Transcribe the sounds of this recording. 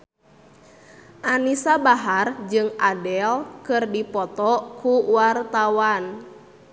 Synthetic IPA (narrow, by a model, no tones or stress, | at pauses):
ʔanisabaɦard͡ʒɨŋadɛlkɨrdipɔt̪ɔkuwart̪awan